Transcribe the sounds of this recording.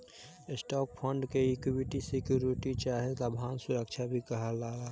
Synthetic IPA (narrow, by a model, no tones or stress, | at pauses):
ɪsʈɔːk̚pʰəɳɖkeikiwiʈisikjuɾiʈit͡ʃaːɦed̪əbʱaːnsuɾəkt͡ʃʰabʱikəɦəlaːla